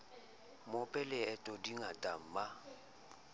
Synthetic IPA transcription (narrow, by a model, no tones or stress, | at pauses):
mʊpʼɛlɪɛtʼɔdiŋatʼam̩ma